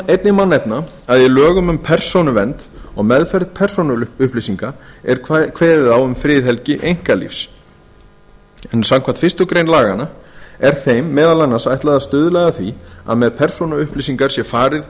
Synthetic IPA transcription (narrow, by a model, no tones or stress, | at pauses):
ejt̪nɪmanːɛpna | aðjɛlœːɣʏmʏmpʰɛr̥sonʏvɛnt̪ɔɣmɛðfɛɾðpʰɛr̥sonʏʏhplisiŋkaɛɾ̥kʰvɛːɾɪðawʏmfɾɪːðɦɛlcɪʔejŋ̥kalḭfs | ɛnsamkʰan̥t̪fɪ̥rst̪ʏkɾejnlaːɣanaɛɾ̥θejmːɛːðalanːasajht̪laðaðst̪ʏːðʏlɛːjɣaθvia̰ðmɛðpʰɛɾr̥sonʏʏhplisiŋkaɾ̥sjɛfaːɾɪð